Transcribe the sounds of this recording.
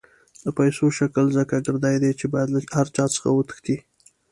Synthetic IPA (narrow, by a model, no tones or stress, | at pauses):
d̪̥əpajsoʃakəlzəkaɡəɾd̪ɑjd̪et͡ʃebɑjad̪lhaɾt͡ʃɑt͡sə̥xa̰wət̪ə̥xt̪i